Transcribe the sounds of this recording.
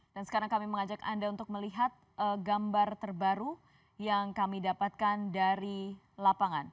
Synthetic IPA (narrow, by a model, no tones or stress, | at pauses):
d̥ansə̥kaɾaŋkamiməŋad͡ʒaka̰ndaunt̪ʊk̚məliɦat̪̚əɡambart̪ərbaɾu | jaŋkamidapat̪̚kandaɾi | lapaŋan